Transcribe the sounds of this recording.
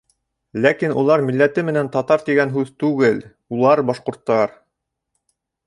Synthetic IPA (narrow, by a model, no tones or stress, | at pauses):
lækinṵlˠɑɾmilːæt̪ɘmɘ̆nænt̪ɑt̪ɑɾt̪iɡænɦʉðt̪ʉɡɘl | ulˠɑɾbɑʃqŏɾt̪ːɑɾ